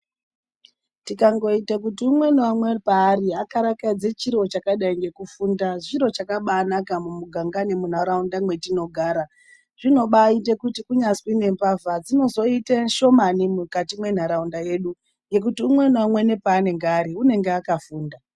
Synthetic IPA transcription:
tikaŋɡo̞itakutiumwe̞niwamwepaːriakaɾakad͡zet͡ʃiɾot͡ʃakaɗaiŋɡe̞kufundaʐiɾo̞t͡ʃakaɓaːnakamumuɡʱaŋɡane̞mun̤aɾaundamwe̞tino̞ɡʱaːɾa | ʐ̥ino̞ɓaite̞kutikuɲaswine̞mpavad͡zino̞zo̞iteʃo̞manimukatimwe̞n̤aɾaundaje̞ɗu | ŋɡe̞k̬utiumwe̞niwamwe̞ne̞paːne̞ŋɡeaɾiune̞ŋɡeakafuːnda

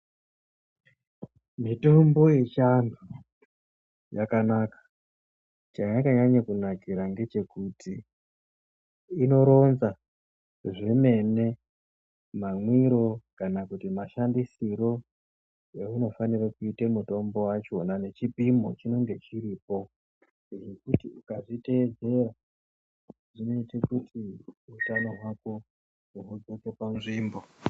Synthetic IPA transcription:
mito̞mbo̞je̞t͡ʃanu | ja̰kanakḁ | t͡ʃaɲakaɲaɲakunakiɾaŋɡe̞t͡ʃe̞kutʰi | no̞ɾo̞nza | ʐeme̞ne̞ | maŋwiɾo̞kanakutimaʃandisiro̞ | euno̞fanirakuitemuto̞mbo̞wat͡ʃo̞nane̞t͡ʃipimo̞t͡ʃino̞ŋɡe̞t͡ʃiriːpo̞ | eɦekutiukaʐite̞ːd͡ze̞ra | ʐino̞itekutʰiutano̞ɦwako | uɦud͡zokekwanʐiːmbo̞

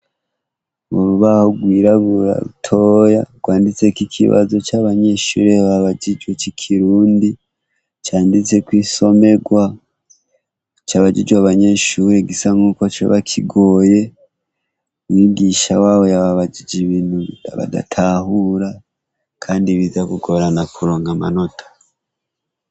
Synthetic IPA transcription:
βoɾuβahoɡwiːɾaβuɾa̰βutʰo̞ːjaɡ̥waːndit͡se̞kikʰḭβa̰zo̞t͡ʃaβaɲe̞ʃṵːɾe̞aβaɟid͡ʒwet͡ʃikʰiɾuːndi | t͡ʃaːndit͡se̞kwiːso̞me̞ɡwa | t͡ʃaβad͡ʒid͡ʒwaβaɲe̞ːʃuːɾeɡisaŋuːko̞t͡ʃḛβakʰiɡo̞ːje̞ | wiɡiʃawaːwo̞jaβaβaɟid͡ʒiβinua̰βa̰da̰tʰahuɾa | kʰaːndiβizakuɡo̞ɾanakuɾo̞ːŋɡama̰no̞tʰḁ

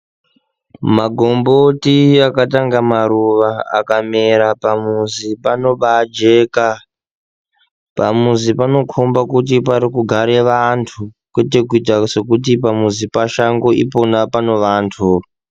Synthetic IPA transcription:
maɡʱo̞mbotiakataŋɡamaɾuʋaa̰kameɾapamuzipano̞ɓad͡ʒe̞ːka | pamuzipano̞kʰombakutip̬aɾikuɡʱaɾe̞ʋantʰu | kwe̞t̬e̞kuit̬ase̞kut̬ipamuzipaʃaŋɡoḭpo̞napano̞ʋaːntʰu

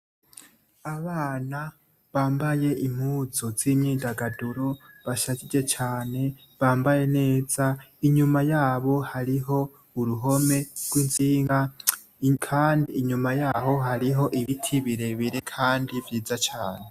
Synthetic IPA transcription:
aβaːna | βaːmbaje̞ʔim̥huːzo̞zimɲiːndaɡaduɾoβaʃacid͡ʒe̞t͡ʃaːne̞ | βaːmbaje̞ne̞ːzaiɲumajaːβo̞haɾiɦo̞ | uɾuɦo̞me̞ɡwinziːŋɡa | kʰaːndiːɲumajaːɦo̞ɦaɾiɦo̞ʔiβitʰiβiɾe̞βiɾekʰaːndivjiːzat͡ʃaːne̞

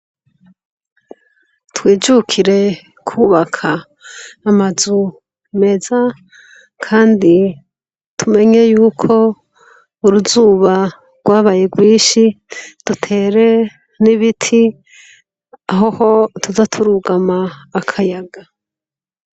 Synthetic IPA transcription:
twiːd͡ʒukʰiɾe̞ | kʰuːβakʰaː | mazu | me̞za | kʰaːndi | tʰume̞ɲe̞juːkʰo̞ | uɾuzuːβa | ɡ̥waːβaje̞ɡwiːʃi | d̥utʰe̞ːɾe̞ | niβitʰi | aɦoho̞tuzatʰuɾuɡamaːkʰajaɡa

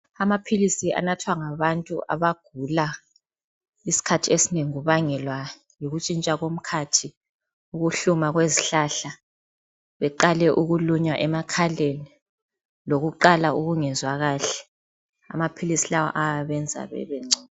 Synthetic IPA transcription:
amapʰilisiʔa̰natʰwaŋaβantʼuʔa̰βaɡ̥ʱula | isi̥kʰatʰiesineŋiɣuβaŋɛlwa | joɣut͡ʃʼint͡ʃʼaɣom̩kʰatʰi | uɣuɬumaɣweziɬaɬa | βɛǃalɛʔuɣuluɲwaʔɛmakʰaleni | loɣuǃalaʔuɣuŋɛnzwaɣaːɬɛ̥ | a̰mapʰilisilawɔ̰ʔajaβɛnd͡zʱa̰βɛ̰βɛŋ͡ǀʱɔ

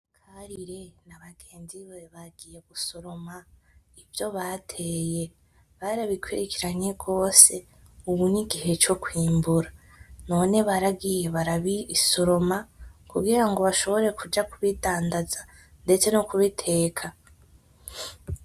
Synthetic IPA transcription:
kʰaɾiɾe̞naβaɡ̥eːnziβeβaɡije̞ɡ̥uso̞ɾo̞ma | ivjo̞βatʰe̞ːje̞ | βaɾaβikwiɾekiɾaɲe̞ɡo̞ːse̞ | uβuɲiɡiɦe̞t͡ʃo̞kwiːmbuɾa | no̞ːne̞βaɾaɡije̞βaɾaβiiso̞ɾo̞makuɡiɾaŋɡo̞βaʃo̞βo̞ɾe̞kud͡ʒakuβitaːndaza | nde̞t͡se̞nokuβitʰe̞ːkʰa

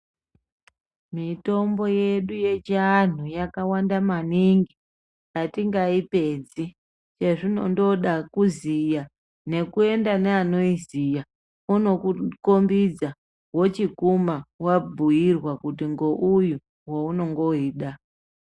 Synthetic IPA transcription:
mito̞mbo̞je̞ɗuje̞t͡ʃan̤ujakawandamaniŋɡi | jatiŋɡaipe̞d͡zi | t͡ʃe̞ʐino̞̰ndo̞ɗakuzija | ne̞kue̞ndaneano̞izija | uno̞kukombid͡za | wo̞t͡ʃikumawabʱuirwakutiŋɡo̞ʔuju | wouno̞ŋɡo̞iːɗa

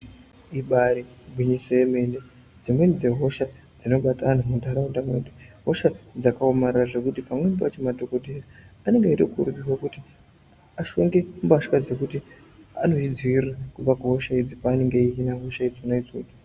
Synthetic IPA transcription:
iɓaɾi | bwiɲisojeme̞nde | d͡zimwenid͡ze̞ɦo̞ʃa | d͡zino̞ɓataan̤umundʱaɾaudamweːɗiɦo̞ʃad͡zakaomarraʐe̞kutipamwenibat͡ʃemadʱo̞ko̞dʱeraane̞ŋɡeiɾekuuɾudirwakuti | aʃo̞ŋɡeumbaʂkad͡ze̞kuti | ano̞id͡zirakuʋakuɦo̞ʃaid͡zipaːne̞ŋɡe̞iinaɦo̞ʃaid͡zonaid͡zo̰ːd͡ʒo̥

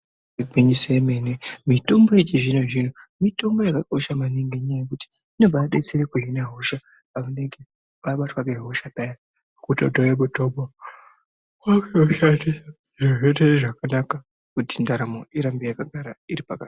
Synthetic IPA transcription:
iɡiɲiseemenemito̞mbo̞et͡ʃiʐinoʐinomito̞mbo̞jakako̞ʃamaniŋɡeɲajekuti̥ino̞baɗet͡seɾekuɦinaɦoʃa | pamuneŋɡe | paɓatwaɡeɦoʃapeja | kutodojeɓutoɓa | akuoʃate | iroʐeteʐakanaka | kutindaɾamoiɾambijakaɡʱaɾaiɾipaka̰

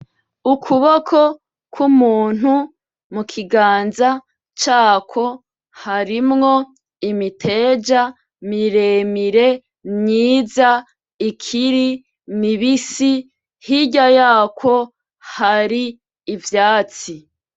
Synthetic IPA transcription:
ukʰuβokʰo | kwumuːn̥hu | mukʰiɡaːnza | t͡ʃaːkʰo̞ | haɾimŋo̞ | imitʰe̞d͡ʒa | miɾemiɾe̞ | mɲiːza | ikʰiɾi | niβisi | hiɟajaːkʰo̞ | haɾiː | vjaːt͡si

